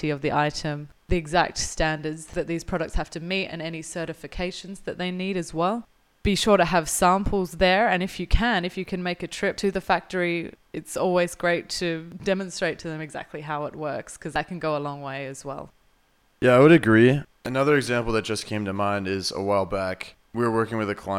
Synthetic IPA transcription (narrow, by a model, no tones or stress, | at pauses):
iʌvðiʔaɪɾɨ̃m | ðiɨɡzæ̰k̚tstæ̃ndə˞dzðɨt̪̚ðiz̥pʰɹ̥ɑɾək̚tshæftɨmiɾɨ̰̃nɛñisɜ˞ɾɨfɨkʰeɪʃɨ̃n̩zðɨt̪̚ðeɪniɾɨzwɛlˠ | b̥iʃʊɹɾɨːv̥sæ̃mpʰl̩ˠzðə˞ɨ̃nɨfjɨkʰɨ̃nɨfjɨkʰɨ̃nmeɪkɨtʰɹ̥ɪp̚tʰɨðɨfæk̚tə˞iɨtsɔlˠwizɡɹeɪtʰɨdɛmɨ̃nstɹ̥eɪtʰɨðɨ̃mɨɡzæ̰k̚tʰˡliɦaʊət̚wɜ˞kskʰʌzaɪkɨ̃n̩ɡoʊəlɔ̃ŋweɪɨzwɛ̰lˠ | jæaɪwəɾɨɡɹi | ɨnʌðə˞ɨɡzæ̃mpl̩ˠðɨt̚d̥ʒ̥ʌskʰẽɪ̃mtʰɨmãɪ̃ndɪzə̰waɪlˠbæk | wiə˞wɜ˞kɪ̃ŋwɨðɨkʰl̥a